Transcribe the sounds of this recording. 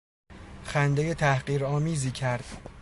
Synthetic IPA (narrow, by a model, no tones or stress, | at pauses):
xænd̪eje̞t̪ʰæhɢiːɾɒːmiːziːcʰæɾd̪̥